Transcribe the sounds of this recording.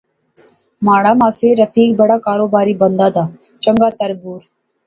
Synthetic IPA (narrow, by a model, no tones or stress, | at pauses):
maːɽaːmaːseɾəfʰiːk̚bəɽaːkaːɾoːbaːɾiːbənd̪aːd̪aː | t͡ʃəŋɡaːt̪əɾbuːɾ